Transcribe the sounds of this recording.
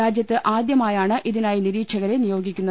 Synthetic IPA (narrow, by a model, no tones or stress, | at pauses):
aːd͡ʑjɐt̪ːɨʔaːd̪jɐmaːjaːɳɨʔiðinaːjiniɾiːkʂɐɣɐɾe̞nijo̞ːɡikʲːunːɐ